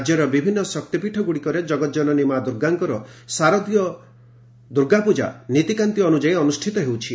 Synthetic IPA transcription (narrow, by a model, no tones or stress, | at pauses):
d͡ʒjɔɾɔbibʱinːɔsɔk̚t̪ipiʈʰɔɡuɽikɔɾed͡ʒɔɡɔt̪d͡ʒɔnɔnimad̪uɾɡaŋkɔɾɔsaɾɔd̪ijɔ | d̪uɾɡapud͡ʒa̰nit̪ikant̪iɔnud͡ʒaiɔnusʈʰit̪ɔɦewt͡ʃʰi